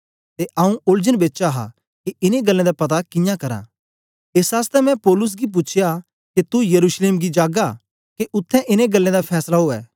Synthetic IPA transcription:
t̪eʔɐũʔʊld͡ʒənbeːtːt͡ʃaɦa̰ | keɪneɡɐlːẽd̪apɐt̪̬akɪ̃jãkɐɾã̰ | eːsaːst̪ɛmɛ̃poːlʊs̬ɡip̬ʊt͡ʃʰja | ket̪ujɐɾuːʃleːmɡid͡ʒaːɡa | keʔʊt̪ʰːɛ̃ʔɪneɡɐlːẽd̪apʰɛːslaɦoːɛ̰ː

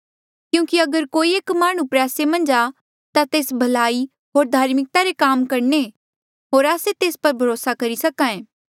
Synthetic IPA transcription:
kjũːkiɐɡəɾkoːieːkmaːɽ̃ũpɾɛːsemɐ̃nd͡ʒa | t̪at̪eːsbʱɐlaːi | ɦoːɾd̪ʱaːɾmɪk̚t̪aɾekaːmkɐɾne | ɦoːɾaːset̪eːspɐɾbʱɐɾoːsakɐɾisɐkãẽː

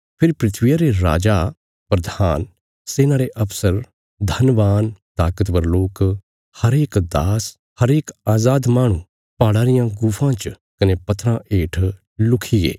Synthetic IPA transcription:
pʰɪɾipɾɪt̪ʰʋɪjaɾeɾa̰ːd͡ʒa | pɾɐd̪ʱaːn | seːnaːɾeʔɐpsəɾ | d̪ʱɐnʋaːnt̪aːkət̪bɐɾloːk | hɐɾeːkd̪aːs | hɐɾeːkaːzaːd̪maːɽ̃ũ | paːɽaːɾɪjãɡuːpʰãt͡ʃ | kɐnepɐt̪ʰːɾãʔeːʈʰ | lʊkʰiɡḛː

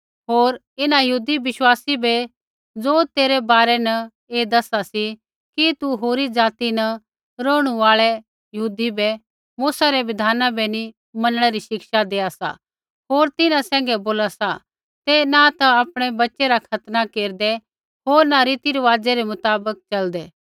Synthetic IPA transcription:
ɦoːɾ | ɪnajɐɦuːd̪iʋɪʃwaːsibɛ | d͡zoːt̪eːɾɛbaːɾɛnɐ | eːd̪ɐsasi | kit̪uɦoːɾid͡zaːt̪inɐ | ɾoːɽ̃uaːɭɛ | jəɦuːd̪ibɛ | muːsaɾɛʋɪd̪ʱaːnabɛni | mɐnəɽ̃ɛɾiʃɪkʃad̪eːasa̰ | ɦoːɾt̪ɪnãsɛ̃ːŋ̆ɡɛboːlasa | t̪enat̪aapɽ̃ebɐtːʃeɾakʰɐt̪nakeːɾd̪ɛ | ɦoːɾnaɾiːt̪iɾɐʋaːd͡zeɾemʊt̪aːbək̚t͡ʃɐld̪ɛː

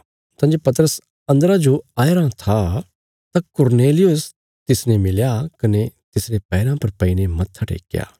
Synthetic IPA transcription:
t̪ãːd͡ʒopɐt̪əɾəs | ɐ̃nd̪əɾad͡ʒoaːeɾãt̪ʰa | t̪ãkʊɾneːlɪjʊs | t̪ɪsnẽmɪljakɐnet̪ɪsɾepɛːɾãpɐɾpɐinemɐtt̪ʰːɐʈḛːkja̰ː

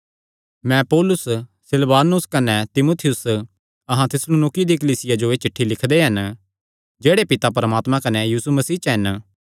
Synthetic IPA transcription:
mɛ̃poːlʊssɪlʋaːnʊskɐnɛt̪ɪmoːt̪ʰɪjʊs | ɐɦãt̪ʰɪslonoːkid̪ik̬ɐliːsɪjad͡ʒoet͡ʃɪʈʰːilɪkʰd̪eɦɐn | d͡ʒeːɽepɪt̪apɐɾəmaːt̪mãkɐnɛjiːsumɐsiːt͡ʃɦɐn

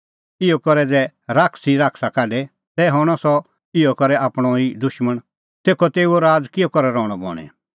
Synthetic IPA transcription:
ɪɔkɔɾɛd͡zɛ | ɾaːkʰsiɾaːkʰsakaːɖɛ | t̪ɛɦɔɽ̃ɔsɔ | ɪɔkɔɾɛaːpɽ̃ɔid̪ʊʃməɽ̃ | t̪eːkʰɔt̪eːuoɾaːd͡zkɪɔkɔɾɛɾɔːɽ̃ɔbɔ̰ːɽ̃ɛ̰̃

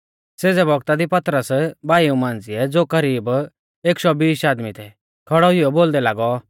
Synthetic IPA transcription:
seːd͡zɛbʱɔɡt̪ad̪ipɐt̪ɾəsbaːiũmãːnd͡zɪɛd͡zoːkɐɾiːb | eːkʃɔbiːsaːd̪mit̪ʰɛ | kʰɐɽɔɦɪjɔboːld̪ɛlaːɡɔ

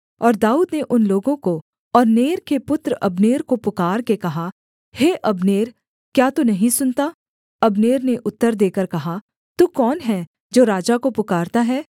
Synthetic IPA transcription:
ɔːɾd̪aːuːd̪neʔʊnloːɡõko | ɔːɾneːɾkepʊt̪ɾɐbneːɾkopʊkaːɾkekɐɦa | heːʔɐbneːɾ | kjaːt̪onɐɦĩsʊnt̪a | ɐbneːɾneʔʊt̪ːəɾd̪eːkəɾkɐɦa | t̪uːkɔːnɦɛ | d͡ʒoːɾaːd͡ʒakopʊkaːɾt̪aɦɛː

